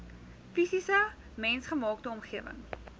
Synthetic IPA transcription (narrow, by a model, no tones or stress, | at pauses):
fisisə | mɛnsχəmɑːktəɔmχiəvə̰ŋ